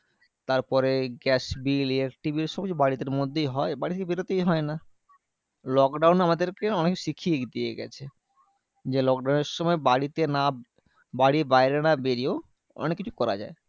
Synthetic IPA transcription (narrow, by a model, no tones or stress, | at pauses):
t̪aɾpɔɾeɡɛsbiliekʈibiɾʃɔb̚kit͡ɕʰubaɽit̪eɾmod̪ʱːejɦɔebaɽit̪ʰeebiɾot̪ejɦɔena | lɔkɖawnamad̪eɾkeɔnekːʃikʰied̪iḛɡɛ̰t͡ɕʰe | d͡ʑelɔk̚ɖawneɾʃɔmɔebaɽit̪ena | baɽibajɾenabeɾio | ɔ̰nekːit͡ɕʰukɔɾa̰d͡ʑa̰e